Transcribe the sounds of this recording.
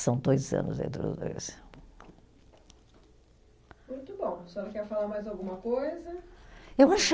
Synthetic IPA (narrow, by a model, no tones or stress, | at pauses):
sɐ̃w̃d̪ojzɐ̰̃nʊzd̪ḛ̃nt̪ɾʊd̪ʊ̰zd̪o̰js | mũj̃t̪ʊbõw̃sɔɾɐkɛɾʊfalaɾmajzawɡũmɐkojzɐewaʃ